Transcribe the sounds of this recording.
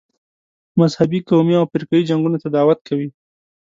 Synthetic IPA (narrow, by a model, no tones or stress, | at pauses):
mazhabikomjɑawpɪɾkajid͡ʒaŋɡunot̪ad̪ɑwat̪̚kʰawi